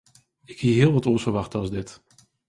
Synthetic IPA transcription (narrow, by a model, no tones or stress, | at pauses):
ɪkhiəɦɪːlˠʋɑtɔsəʋɑχtəɑlˠzdɪt